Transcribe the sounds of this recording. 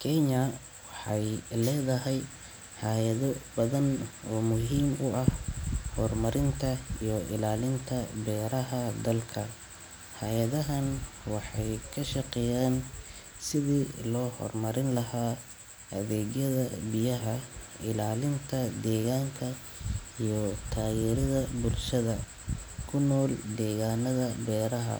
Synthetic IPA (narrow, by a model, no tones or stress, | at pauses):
kʰɛɲɐ | wɑħɑjlɛːðɐɦɛj | ħɑːjɐðɔbɐðɐnɔːmʊɦiːmʊʔɐhhɔrmɐɾɪnt̪ʰɐijɔʔɪ̰laːlɪnt̪ʰɐbɛːɾɐɦɐd̪ɐlkʰɐ | hajɐðɐɦɐnwɑħɑjkʰɐʃɑqɛjaːn | sɪðiːlɔːhɔ̰rmɐɾɪnlɐɦaː | ɐðɛːɣjɐðɐbɪjɐɦɐɪlaːlɪnt̪ʰɐd̪ɛːɣaːŋkʰɐ | ijɔt̪ʰaːjɛːɾɐðɐbʊlʃɐðɐ | kʰʊnːɔːld̪ɛːɣaːnɐðɐbɛːɾɐɦɐ̰